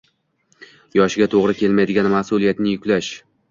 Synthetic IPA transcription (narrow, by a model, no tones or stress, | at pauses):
jɒʃɪɡʲat̪ʰoʁɾɪkʲʰe̞lmajd̪ɪɡʲanmasʊlˠijat̪nɪjʊkʲlaʃ